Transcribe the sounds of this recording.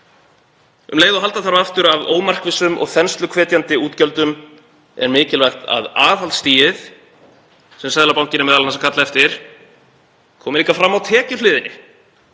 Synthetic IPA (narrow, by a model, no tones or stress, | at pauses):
ʏ̰mleːjðɔɦalt̪aθaɾvaft̪ʏɾavoːwmar̥kvɪsʏmʔɔ̰ɣθɛnst̪lʏkʰvɛːt̪jant̪ɪuːt̪cœlt̪ʏm | ɛ̰ɾmɪːcɪlvajxt̪a̰ðaːvhalt̪st̪iːjɪθ | sɛmsɛðlapaw̃ɲ̥cɪnʏmɛðalanasakʰat̪laɛft̪ɪɾ̥ | kʰɔːmɪliːkafɾamːawt̪ʰɛːcʏlɪːðɪnɪ